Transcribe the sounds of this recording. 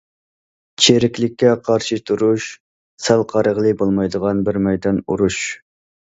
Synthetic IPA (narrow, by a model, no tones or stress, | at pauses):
t͡ʃʰeɾɪkʲlɪkʲːɛqʰɑɾʃit̪ʰuɾuʃ | sælˠqʰɑɾəʁlˠɨbolˠmɑjd̪əʁɑnbɪɾmɛjd̪ɑnṵɾuʃ